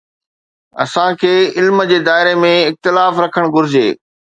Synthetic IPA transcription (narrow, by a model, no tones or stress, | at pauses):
ɐ̰sãkʰeːɪlməd͡ʑeːd̪aːɪɾemẽɪxt̪ɪlaːfɾɐkʰəɽ̃ɡʊɾɪd͡ʑeː